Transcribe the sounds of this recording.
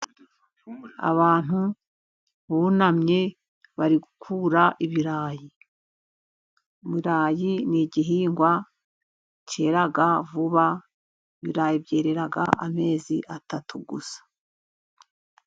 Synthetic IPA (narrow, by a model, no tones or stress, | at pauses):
a̰βaːn̥u | βunamɲe̞ | βaɾiɡukʰuːɾaʔiβiɾaːji | umiɾaːjiniɟiɦiːŋɡwa | ce̞ːɾaɡavuβa | iβiɾaːjibɟe̞ːɾe̞ɾaɡa̰ʔame̞ːziʔatatʰuɡusḁ